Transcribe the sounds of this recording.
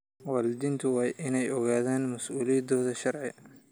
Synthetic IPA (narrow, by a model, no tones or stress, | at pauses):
wɑːlɪd̪iːnt̪ʰʊwɑːjʔɪnɛjɔɣaːðaːnmɐsuːlijɐd̪ɔːðɐʃɐrʕɪ̰